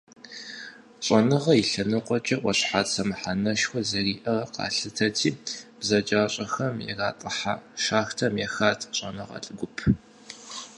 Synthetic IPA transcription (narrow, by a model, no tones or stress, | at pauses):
ɕʼɔnɨʁɐiɬɐnɨqʷʼɔt͡ʃʼɐʔʷʼɔɕħaːtsɐmɨħanɐʃxʷɔzɐriːʔɐrɐqɑ̰ːɬɨtʰɐtʰiːb̥zɐd͡ʒaːɕʼɐxɐmjɛ̰raːtʼɨħa̰ːʃaːxtʰɐmjɛxaːtʰʼɕʼɐnɐʁɑ̰ːɬʼɨɡʷʊpʰ